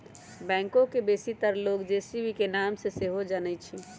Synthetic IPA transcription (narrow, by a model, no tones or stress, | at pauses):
bɛ̃ːŋkõkebesit̪əɾloɡd͡ʒesibʱikenamseseɦod͡ʒənɛt͡ʃʰi